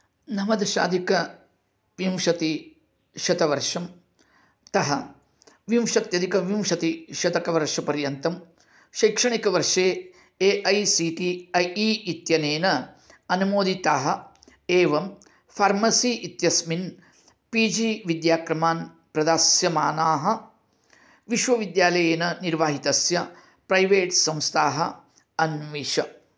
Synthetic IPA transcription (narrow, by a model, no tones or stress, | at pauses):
nɐmɐd̪ʃa̰ːd̪ʱikɐ | ʋimʂɐt̪i | ʃɐt̪ɐʋɐɾʂɐm | t̪ɐɦɐ̰ | ʋimʂɐt̪jɐd̪ikɐʋimʂɐt̪iʃɐt̪ɐkɐʋɐɾʂɐpɐɾjɐnt̪ɐm | ʃɐjkʂɐɳikɐʋɐɾʂeː | eːʔɐjsiːʈiɐjiːʔit̪jɐneːnɐ | ɐnumoːd̪it̪aːɦɐ̆ | eːʋɐm | pʰaːɾmɐsiːʔit̪jɐsmin | piːd͡ʒiːʋid̪jaːkɾɐmaːn | pɾɐd̪aːsjɐmaːnaːɦɐ̆ | ʋiʃʋɐʋid̪jaːlɐjeːnɐniɾʋaːɦit̪ɐsjɐ | pɾɐjʋeːʈsɐ̃mst̪ʰaːɦɐ | ɐnʋiːʂɐ